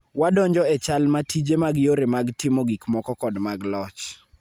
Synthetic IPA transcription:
wadɔɲd͡ʒɔɛt͡ʃalmatid͡ʒemaɡjoɾemaɡtɪmoɡikmɔkɔkɔdmaɡlɔt͡ʃ

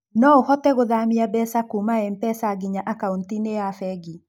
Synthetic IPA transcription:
nɔohɔtɛɣoðamiabɛsakumaɛmpɛsaɡiɲaʔakauntineafɛɡi

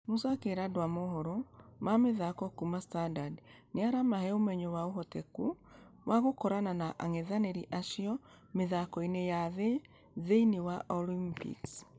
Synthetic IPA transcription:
musakeɾadowamoɦɔɾɔmameðakɔkumastandadneaɾamahɛomɛɲowaoɦɔtɛku | waɣokɔɾananaʔaŋeðaneɾiʔaʃiɔ | meðakɔinejaðe | ðeinewaʔɔlimpḭks

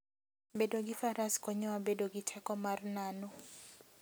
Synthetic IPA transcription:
bɛdoɡifaɾaskɔɲɔwabedoɡitʰɛkɔmarnanɔ

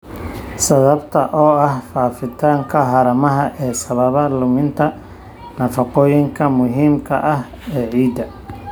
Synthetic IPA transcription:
sɐβɐbt̪ʰɐʔɔːɐhfaːfɪt̪ʰaːŋkʰɐɦɐɾɐmɐɦɐʔɛːsɐβɐβɐlʊmɪnt̪ʰɐ | nɐfɑqɔːjɪŋkʰɐmʊɦiːmkʰɐʔɐh | ɛːʕiːd̪ɐ

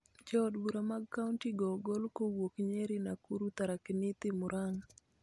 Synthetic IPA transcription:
d͡ʒɔdbuɾamaɡkːauntiɡɔɡɔlkowokɲeɾinakuɾut̪aɾakɪnɪt̪ɪmʊɾaŋ

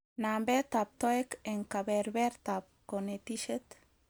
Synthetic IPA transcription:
nambet̪ap̚t̪oekeŋkabeɾbeɾt̪ap̚konet̪iʃet̪

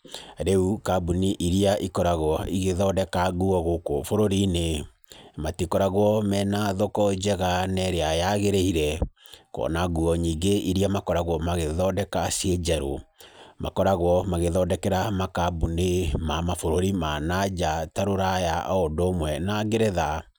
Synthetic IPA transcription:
ɾeukabuniʔiɾiaʔikɔɾaɣwɔiɣeðɔdɛkaɣuɔɣokofoɾoɾine | matikɔɾaɣwɔmɛnaðokɔd͡ʒɛɣanɛɾeajaɣeɾeiɾɛkɔ̰naɣuɔɲiːɡeʔiɾiamakɔɾaɣwɔmaɣeðɔdɛkasied͡ʒɛɾo̰makɔɾaɣwɔmaɣeðɔdɛkɛɾamakabunemamafoɾoɾimanad͡ʒataɾoɾajaʔodomwɛnaɡeɾeða

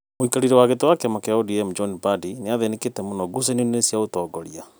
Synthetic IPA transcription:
moikaɾiɾɛwaɣetowakɛmakɛaodiɛmd͡ʒɔnbadineaðeneketɛmonɔɡus̬ɛnionesiaotɔːɡɔɾia

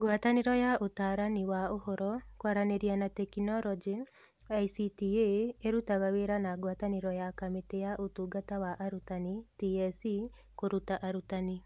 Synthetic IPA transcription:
ɡwataneɾɔjaotaɾaniwaohɔɾɔkwaɾaneɾianatɛkinɔɾɔd͡ʒi | aisitieeɾutaɣaweɾanaɡwataneɾɔjakamitejaʔotuɡatawaʔaɾutanitiɛsi | koɾutaʔaɾutani

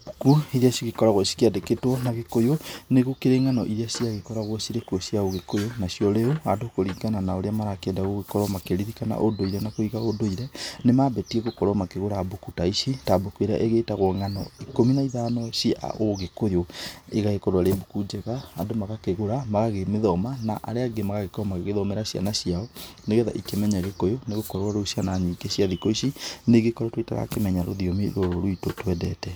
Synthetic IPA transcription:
bukuiðiaʃiɣekɔɾaɣwɔsi̥kiadeketwɔnaɣekojoneɣukeɾeŋanɔʔiðeaʃiaɣekɔɾaɣwɔʃiɾekuɔɕiaoɣekojonaɕiɔɾeuadokoɾiːɡananaoɾeamaɾakeːndaɣoɣekɔɾɔmakeɾiðikana̰ʔodoiɾɛnakoiɣaodoiɾɛnemabɛtiɛɣokɔɾɔmakeɣoɾabokutaiʃitabokueɾa̰ʔeɣetaɣwɔŋanɔ̰ikominaiðaːnɔɕia̰oɣekojoeɣaɣekɔɾwaɾebokud͡ʒɛɣaːndomaɣakeɣoɾamaɣaɣemeðɔmanaʔa̰ɾeaɡemaɣaɣekɔmaɣeɣeðɔmɛɾaɕja̰naɕiaɔneɣɛða̰ʔikemɛɲaɣekojoneɣokɔɾwaɾoʃianaɲikeɕjaðikoisineɡekɔɾɔtweta̰ɾa̰kemɛɲaɾo̰ðiomiɾoɾoɾoitotwɛdɛtɛ

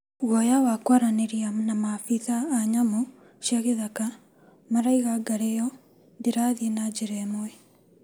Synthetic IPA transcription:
ɣwɔjawakwaɾaneɾianamafiðaːɲamo | ʃiaɣeðaka | maɾaiɣaɡaɾɛjɔ | ndeɾaðienad͡ʒeɾɛmoɛ

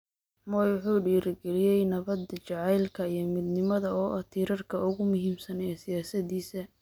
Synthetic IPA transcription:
mɔjʊħuːɖiːɾɪɡɛlɪjɛjnɐβɐd̪ɐt͡ʃɐʕɑjlkʰɐijɞmɪd̪nɪmɐðɐɔːʔɐt̪ʰiːɾɐrkʰɐʊɣʊmʊɦiːmsɐnɛɛsɪjaːsɐd̪iːsɐ

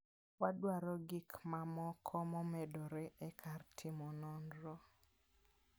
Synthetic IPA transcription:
wadwaɾɔɡɪkmamɔkʰɔmɔmɛdɔɾɛʔɛkʰartʰɪmɔnɔnɾɔ

